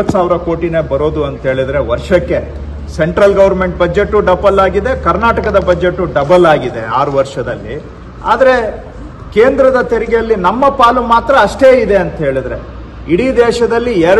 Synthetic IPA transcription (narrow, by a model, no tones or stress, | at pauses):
ɐt̪ːsaːʋɾɐko̞ːʈine̞ːbɐɾo̞ːd̪uɐnt̪ɦe̞ːɭid̪ɐɾe̞ʋɐɾʂɐkːe̞ | seɳʈɾɐlɡɐʋɐɾme̞ɳʈ̚bɐd͡ʒeʈːuɖɐbɐlaːɡid̪e̞kɐɾnaːʈɐkɐd̪ɐbɐd͡ʒeʈːuɖɐbɐlaːɡid̪e̞aːɾuʋɐɾʂɐd̪ɐlːḭ | a̰ːd̪ɐɾe̞ | keːnd̪ɾɐd̪ɐt̪eɾiɡejɐlːinɐmːɐpaːlumaːt̪ɾɐːʂʈe̞ːid̪e̞ɐnt̪ɦe̞ːɭid̪ɾe̞̰ | iɽiːd̪ɛːʂɐd̪ɐlːiɛɾ